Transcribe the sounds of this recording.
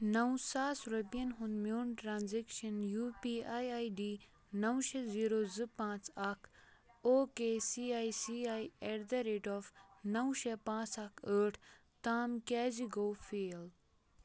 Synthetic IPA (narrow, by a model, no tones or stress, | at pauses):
nɐwsaːsɾɐpijɐnɦũnd̪mjuːɳʈɾãːnzekʃɐnjuːpiːaːjajɖiː | nɐwʃeziːɾoːzɨpãːt͡sɐkʰoːkeːsiːaːjsiaːjeɾd̪ɐɾeːʈɔːfnɐwʃepãːt͡sɐkʰəːʈʰ | t̪aːmkɛːziɡoːfeːl